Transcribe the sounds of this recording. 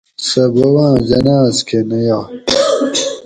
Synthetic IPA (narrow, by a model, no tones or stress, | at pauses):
sɐbɐwãːd͡ʑɐnaːzkʰenɐja